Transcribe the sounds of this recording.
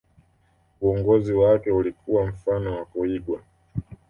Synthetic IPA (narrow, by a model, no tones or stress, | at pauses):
uɔŋɡɔziwakɛulikuwam̩fanɔwakɔiɡwa